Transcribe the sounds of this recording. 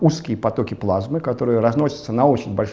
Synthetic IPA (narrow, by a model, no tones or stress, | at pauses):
uskʲɪjəpɐt̪okʲɪplˠazmɨkat̪o̞ɾɨjəɾɐznosʲɪ̥t̪sənɐot͡ɕɪnʲbɐlʲʂ